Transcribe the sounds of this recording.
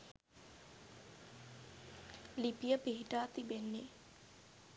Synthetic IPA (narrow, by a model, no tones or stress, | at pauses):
lipijəpiɦiʈaːt̪ibenːe